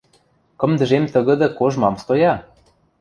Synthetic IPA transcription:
kɤ̆md̪ə̆ʒemt̪ə̆ɣɤ̆d̪ɤ̆koʒmɑmst̪ojɑ

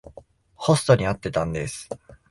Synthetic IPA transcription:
ho̞sɨ̥t̪o̞ɲ̟iat̪ːe̞t̪ãnd̪e̞sɨ̥

